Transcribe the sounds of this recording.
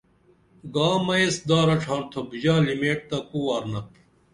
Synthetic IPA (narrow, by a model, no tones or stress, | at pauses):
ɡaːmɐesd̪aːɾɐʈ͡ʂʰaːɳt̪ʰobiʑãːlimeːʈ̚t̪ɐkuːɐɾnɐp̪